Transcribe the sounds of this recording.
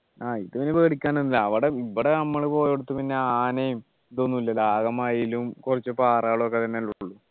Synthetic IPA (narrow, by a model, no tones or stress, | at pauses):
aːiðɐʋinebeːɽikʲːaːnunːilːɐɐʋiɽeiʋːɐɽeɐmːɐɭpo̞ːjoɽut̪ːupinːe̞aːnejum | t̪oːnːuilːɐlaːɡɐmaːjilumkurɐt͡ɕːɨpaːrɐɣɐɭokːet̪ɐnːeluuɭːu